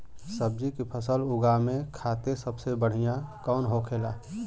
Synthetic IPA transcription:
səb̚d͡ʒikipʰəsəlʊɡamẽkʰaːt̪esəbsebəɽ̤ijãkɔːnɦokʰeːlaː

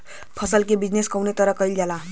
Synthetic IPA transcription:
pʰʌsʌlkebid͡zneskʌwnet̪ʌɾʌkʌjld͡ʒala

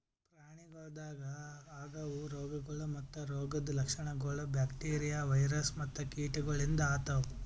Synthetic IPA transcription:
pɾaːɳiɡɐːd̪aːɡɐaːɡɐʋuɾɔːɡɐɡɐɭumɐt̪ːuɾoːɡɐd̪lɐkʂɐɳɐɡoːɭɐbjaːkʈeːɾijaːʋɐjɾɐsmɐt̪ːɐkiːʈuɡɐɭind̪ɐaːt̪ɐʋu

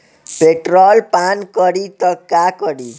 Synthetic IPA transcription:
peʈɾɔlpankəɾit̪əkːakəɽi

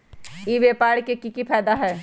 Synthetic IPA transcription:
iʋeːpaːɽkekikipʰɛːd̪aɦɛː

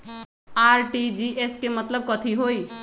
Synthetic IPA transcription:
aːɾʈid͡ʒiʔeskemət̪ləb̚kɔt̪ʰiɦoi

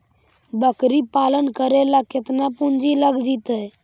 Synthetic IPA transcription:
bəkɾipaːlənkəɾelaket̪napũnd͡ʒiləɡd͡ʒit̪ɛ

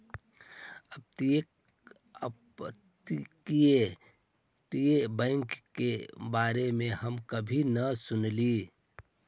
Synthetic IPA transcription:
əb̚t̪i | t̪ikie | ʈiebə̃ɪŋkkebaːɾemẽhəmkəbʱinəsʊnli

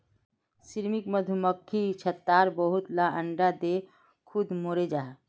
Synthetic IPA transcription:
siɾmikməd̪ʱuməkʰːit͡ʃʰət̪ːaːɾbəɦʊt̪laʔəɳɖad̪e | kʰʊd̪moːɾed͡ʒaː

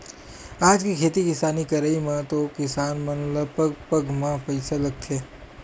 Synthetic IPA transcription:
aːd͡ʒkikʰeːt̪ikɪsaːnikɐɾəimãt̪okɪsaːnmɐ̃nləpəɡpəɡmãpɐɪsalɐɡ̚t̪ʰeː

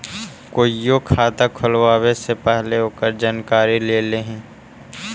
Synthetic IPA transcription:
koːijokʰaːd̪akʰʊlwaːwesepɛɦleɦoːkəɾd͡ʒaːnkaːɾileleːɦɛ̃ː

